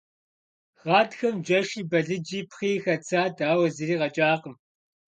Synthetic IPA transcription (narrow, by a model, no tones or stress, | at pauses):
ʁɑːtxɐmd͡ʒɐʃiːbɐɮɨd͡ʒiːpχiːxɐt͡sʰaːdaːwɐzɨriːʁɐt͡ʃʼaːqəm